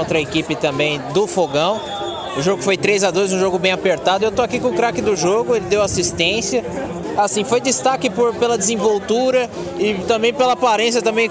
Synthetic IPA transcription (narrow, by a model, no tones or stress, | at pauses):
õt̪ɾɐekipɪt̪ɐ̃bẽj̃d̪ʊfoɡɐ̃w̃ | ʊʒoɡʊkɪfojt̪ɾejzad̪ojzũʒoɡʊbẽj̃apeɾt̪ad̪ʊewt̪oakikõkɾakɪd̪ʊʒoɡʊelɪd̪ewasist̪ẽsjɐ | asĩfojd̪ɪst̪akɪpʊɾpelɐd͡ʒɪzĩvowt̪uɾɐ | ɪt̪ɐ̃bẽj̃pelɐpaɾẽsjɐt̪ɐ̃mbẽj̃